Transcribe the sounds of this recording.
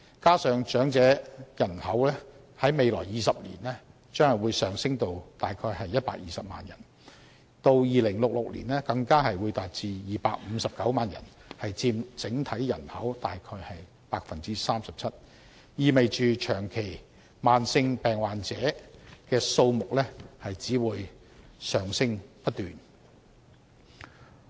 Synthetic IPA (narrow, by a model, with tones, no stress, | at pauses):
kaː˥sœː˨˧ŋt͡ʃœː˨˥ŋt͡sɛː˨˥jɐ˨˩nhɐ˨˥wlɛː˥ | hɐ˨˥jme˨jlɔː˨˩jjiː˨˧sɐ˨p̚lḭː˨˩nɛː˥ | t͡ʃœː˥ŋhɐ˨˩wuː˨˧jsœː˨ŋsɪ˥ŋt̪o˨wt̪aː˨jkʰɔː˧jɦɐ˨jːɐ˥t̚paː˧k̚jiː˨sɐ˨p̚ma̰ː˨njɐ̰˨˩n | t̪o˧wjiː˨lɪ˨˩ŋlʊ˨k̚lʊ˨k̚lḭ˨˩nɛː˥kɐ˧ŋkaː˥ɦɐ˨jwuː˨˧jt̪aː˨t̚t͡siː˧jiː˨paː˧˥k̚m̩˨˧sɐ˨p̚kɐ˨˥wmaː˨njɐ̰˨˩nhɐ˨jt͡siː˧mt͡sɪ˨˥ŋt̪ʰɐ˨˥jjɐ˨˩nhɐ˨˥wt̪aː˨jkʰɔː˧jhɐ˨j | paː˧˥k̚fɐ˨nt͡siː˥saː˥msɐ˨p̚t͡sʰɐ˥t̚ | jiː˨me˨jt͡ʃyː˨t͡ʃʰœː˨˩ŋkʰe˨˩j | maː˨nsɪ˧ŋpɛː˨˩ŋwaː˨nt͡sɛː˨˥kɛː˧so˧wmʊ˨k̚lɛː˥hɐ˨jt͡siː˨˥wuː˨˧j | sœː˨˩ŋsɪ˥ŋpɐ˥t̚t̪yː˨n